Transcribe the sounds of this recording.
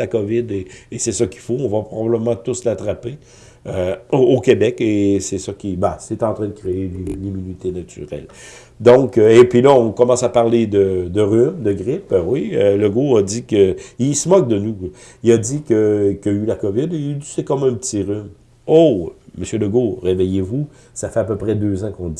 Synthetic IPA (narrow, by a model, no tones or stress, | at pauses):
akɔvɪd̪eːsɛsʌkʲi̥foɔ̃vapʁɔbabləmɑ̃t̪ʊslat̪ʁape | øookʲebɛkesɛsʌkʲibasɛt̪ɑ̃t̪ʁɛ̃d̪əkʁeenimynit̪enat̪y̰ʁɛ̰l | d̪ɔ̃kəepɥilʌɔ̃kɔmɑ̃sapaʁled̪əd̪əʁymd̪əɡʁɪpwiøləɡoad̪ikəilsəmɔk̚d̪ənu | iad̪ikəkjaylakɔvɪd̪eysɛkɔmɛ̃pət͡s̪iʁym | oməsjøləɡoʁevɛjevu | safɛapøpʁɛd̪øzãkɔ̃i